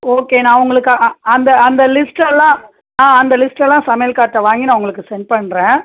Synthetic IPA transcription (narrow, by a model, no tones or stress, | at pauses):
oːkeːnãːʊŋɡɐɭɯkːaɐnd̪ɐɐnd̪ɐlɪsʈɛlːãː | ãːɐnd̪ɐlɪsʈɛlːãːsɐmɐjɐlkaːʈːɐʋaːŋɡinaːʋʊŋɡɐɭɯkːɯsɛɳɖ̚pɐɳːɾẽː